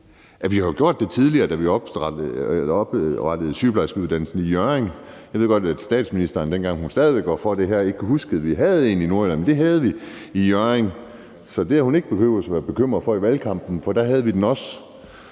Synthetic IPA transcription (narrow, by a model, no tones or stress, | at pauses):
æʋihɑ̈joɡ̥jo̝ɐ̰d̥ːe̝t͡sʰið̞ˠliɐːd̥æʋiɒ̽b̥ | b̥ʁɑd̥əð̞̩ˠsyːb̥lɑ̈ɪsɡ̥uðˠdænl̩sn̩ijøeŋ | jɑʋe̞̰ɡ̥ɒdæd̥sd̥ɛ̰ːd̥sminisd̥ɐːnd̥en̰ɡ̥ɑ̈ŋɦhunsd̥ɛːð̞ˠiʋeɡ̥ɒfɒd̥e̝ɦæɐ̰e̝ɡ̥ʰəɦusɡ̥əð̞̩ˠʋiɦæð̞̩ˠe̝̰ːninoɐlænmnd̥e̝ɦæð̞ˠʋi | ijøɐeŋ | sɒ̽d̥e̝æɐhune̝ɡ̥əb̥e̝kø̰ːʊ̥əsɒʋæːɐb̥e̝kʰøm̰ʁɐðˠfɒ̽iʋælkʰɑ̈m̰b̥n̩fɒ̽d̥æɦæðˠʋid̥enɒ̽s